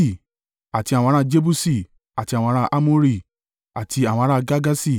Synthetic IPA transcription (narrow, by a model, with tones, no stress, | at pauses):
i˦˨ | a˨ti˨˧ã˨ɔ̃˧˦ã˦˧d͡ʒe˦bu˦si˦˨ | a˨ti˧ã˨ɔ̃˧˦ɾ̃ã˦˧ʔa˦mo˦ɾi˦˨ | a˨tʰi˧˦a˨w̃ɔ̃˧˦ɾ̃ã˦˧ɡa˦ɡa˦si˦˨